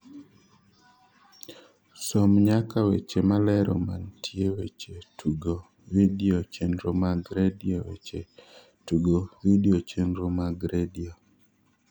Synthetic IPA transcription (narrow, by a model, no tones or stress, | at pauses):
sɔmɲakawet͡ʃemalɛɾɔ̰mantʰjewet͡ʃetʰuɡo | widiot͡ʃenɾomaɡɾediowḛt͡ʃe | tuɡowidiot͡ʃenɾomaɡɾedio